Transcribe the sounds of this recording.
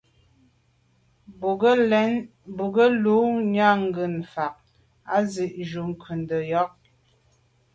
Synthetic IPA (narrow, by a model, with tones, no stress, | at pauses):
n | bu˨ɡə˦lu˨˦ɲa˦˨ŋ̩˦ɡɯ˨nfa˨k̚ | a˦zi˨ʔʒu˨ŋ̩˨kʰʉ˨n˨də˨jɔ˨˦k̚